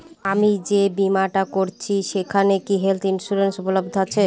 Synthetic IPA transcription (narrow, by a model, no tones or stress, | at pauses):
amid͡ʑebimaʈakoɾt͡ɕʰiʃekʰanekiɦelt̪ʰinsuɾensupolob̚d̪ʱat͡ɕʰe